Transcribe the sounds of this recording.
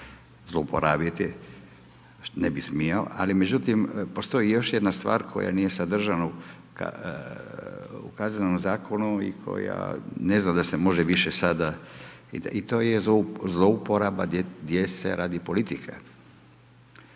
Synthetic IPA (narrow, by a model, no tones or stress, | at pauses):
zloupo̰ɾaːbjit̪i | nebismiao̰ʔa̰lime̞d͡ʑut̪impo̞st̪o̞ijo̞ʃjed̪nast̪ʋa̰ːɾkʰo̞̰ja̰nije̞sad̪r̩ʒana | ka̰ | ṵkaznomzaːkʰo̞nuḭkʰo̞̰ja̰ne̞znamd̪asemo̞ʒeʋiʃesad̪a | ḭit̪o̞ːjeozlˠoupo̞ɾabad̪d̪jet̪sḛɾʔaːd̪ipo̞lit̪ikʰa̰